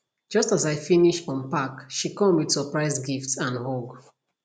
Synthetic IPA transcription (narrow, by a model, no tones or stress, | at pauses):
d͡ʒʌstazaɪfiniʃtɔ̃npakʃikɔ̃mwidsəpɹaɪzɡiftsãnɔɡ